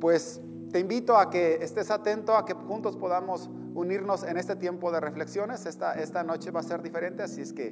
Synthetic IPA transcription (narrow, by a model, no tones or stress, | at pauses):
pwe̞s | t̪e̞imbit̪o̞akeːst̪e̞sat̪e̞nt̪o̞ake̞xunt̪o̞spo̞ðamos | uniɾno̞se̞ne̞st̪et̪je̞mpo̞ð̞e̞re̞fle̞ksjo̞ne̞sest̪aʔe̞st̪ano̞t͡ʃe̞βase̞ɾðife̞ɾe̞nt̪e̞asieske̞